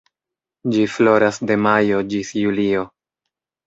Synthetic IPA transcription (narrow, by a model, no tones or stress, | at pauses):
d͡ʒiflo̞ɾasde̞majo̞d͡ʒisjulio̞